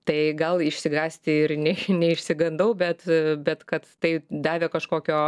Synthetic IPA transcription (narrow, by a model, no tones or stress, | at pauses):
t̪ɐɪɡɐlˠɪʃʲsʲɪɡɑːsʲt̪ʲɪɪɾnʲɛnʲɛɪʃʲsʲɪɡɐnd̪ɐʊbʲɛt̪bʲɛt̪kɐt̪ːɐɪd̪ɑːʋʲeːkɐʃkoːkʲoː